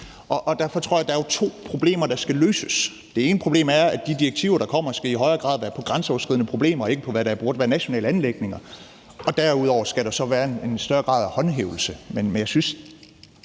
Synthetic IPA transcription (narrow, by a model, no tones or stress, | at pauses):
ʔɒ̽ʔɒd̥æɐfɒ̽t͡sʰʁo̝ɐ̰jɑd̥ɑ̈æot͡sʰo̝̰ːpʰʁo̝b̥le̝̰ːmɐɾ̥ɑ̈sɡ̥æløːsəs | d̥e̝e̝ːnəpʰʁo̝b̥le̝ːmæɐæd̥id̥iɐeɡ̥̚t͡sʰiʊɐɾ̥ɑ̈kʰɒ̽m̰ɐsɡ̥æiɦɒ̽ɪɐɡ̥ʁɑ̰̈ðˠʋæːɐpʰɒ̽ɡ̥ʁansəɒʊɐsɡ̥iðˠnəpʰʁo̝b̥le̝̰ːmɐɒ̽e̝ɡ̥əpʰɒ̽ʋæɾææɐb̥o̝ɐd̥ʋæːɐnæɕo̝nɛ̰ːləænleɡ̥ne̝ŋɐ | ɒ̽d̥æɐuð̞̰ˠɒʊ̰ɐsɡ̥æɾ̥ɑsɒ̽ʋæːɐene̝nsd̥ɶɐɡ̥ʁɑ̰̈ːðˠhɒ̽nɦḛːʊl̩səmenmenjɑ̈ɪsyns